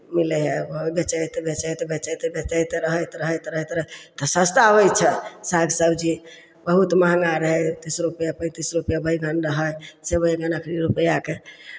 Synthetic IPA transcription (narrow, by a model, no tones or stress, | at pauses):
miləɦebbet͡ʃəjt̪ebet͡ʃəjt̪ebet͡ʃəjt̪ebet͡ʃəjt̪eɾəɦəjt̪ɾəɦəjt̪ɾəɦət̪ɾət̪ɔsə̃st̪aʋəjt͡ʃʰɛsaɡsəbd͡ʒi | bəɦut̪maɦə̃ŋɡaɾəɦət̪isɾupəjapəjt̪isɾupəjabʱəjɡənɾəɦəjsebʱəjɡanəkʰɾiɾupəjake